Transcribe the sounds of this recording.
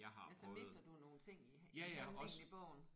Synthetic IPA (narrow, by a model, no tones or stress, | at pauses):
ɑ̈ɪɦɑ̈ælʰsɔme̝ðs̩ˠd̥ɐd̥uno̝ːn̩t͡sʰe̝ŋ̰i | jæjæɒ̽sib̥ɔ̰ʊ̰n̩